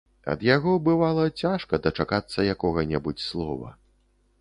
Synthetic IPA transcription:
ɐ̰d̪jaɣɔbɨvalˠɐt͡sʲaʂkɐd̪ɐt͡ʂakat̪sːɐjakɔɣɐnʲɛbut͡sʲslˠɔvɐ̰

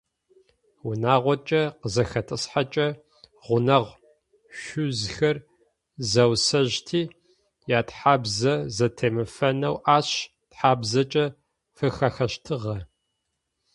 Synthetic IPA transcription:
wʊnaːʁʷɔt͡ʃʼɐqəzɐxɐtʰɨsħat͡ʃʼɐ | ʁʷʊnɐʁʷ | ʃʷʊzxɐr | zɐwsɐʑtʰiː | jaːtħaːbzɐzɐtʰemɨfɐnɐwʔaːɕ | tħaːbzɐt͡ʃʼɐ | fɨxɐxɐɕtʰɨʁɐ

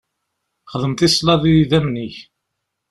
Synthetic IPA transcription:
χəðˤəmt̪ɪsˤlɑðiiðæmniç

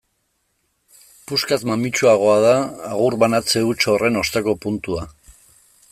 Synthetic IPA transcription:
puskazmamit͡ʃuaɣ̞o̞að̞aːɣuɾβanat͡se̞ut͡ʃo̞re̞no̞st̪ako̞punt̪ua

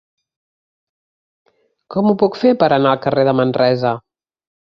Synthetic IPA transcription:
kɔmupukfepəɾənaəlˠkəreðəmənrɛzə

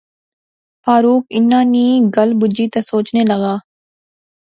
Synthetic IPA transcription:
faːɾuːkɪnːãːniːɡəlbʊd͡ʒiːt̪ɐsoːt͡ʃneːləɡaː

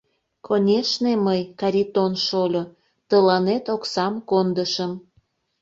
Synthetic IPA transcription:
kʰonʲeʃneməjkɑɾʲit̪onʃolʲo | t̪əlɑnet̪oksɑmkond̪əʃəm

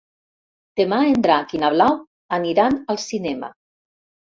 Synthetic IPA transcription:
d̪̥emaend̪ɾakinaβlaw | aniɾanəlˠsinɛma̰

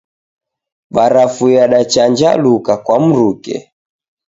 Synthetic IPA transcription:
ɓaɾafujaɗat͡ʃaɲd͡ʒa̰lukakwam̩ɾukɛ̰

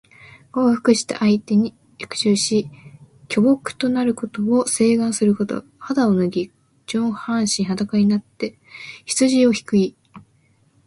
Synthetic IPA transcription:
ɡ̥o̞ːɸɯ̥kɯ̟ɕi̥t̪a̰ʔait̪e̞ɲ̟i | j̥kɯ̟̥ɕɨːɕi | kʲo̞bo̞kɯ̟̥t̪o̞naɾɯ̟ko̞t̪o̞ose̞ːɡãɰ̃sɨɾɯ̟ko̞t̪o̞̰had̪aonɯ̟ɡʲi | d͡ʑõhãɰ̃ɕiɲɦat̪akaiɲinat̪ːe̞ | çi̥t͡sɨʑio̞çi̥kɯ̟i

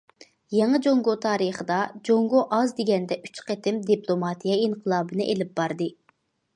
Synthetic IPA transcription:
jɑŋɨd͡ʒoŋɡot̪ʰɑːɾɨχəd̪ɑd͡ʒoŋɡoʔɑzd̪eɡʲɛnd̪ɛʔy̥t͡ʃqet̪ɪmd̪iplˠomɑt̪ʰijɛinqʰəlˠɑːbɨnɨʔelɪp̚bɑɾd̪ɨ

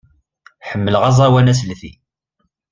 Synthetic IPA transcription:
ħəmːəlʁɑzˤɑwænæslθḭ

